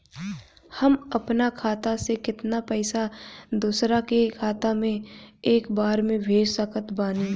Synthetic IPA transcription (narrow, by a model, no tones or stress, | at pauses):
hɐmɐpnakʰaːt̪asekɪt̪napɛɪsad̪uːsɾakekʰaːt̪amẽeːkbaːɾmẽbʱeːd͡ʒsəkət̪baːniː